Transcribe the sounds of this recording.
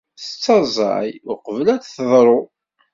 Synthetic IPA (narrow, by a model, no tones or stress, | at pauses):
θə̥t͡sːɑzˤɑ̰jʊqəvlæt͡sθəðˤɾˤo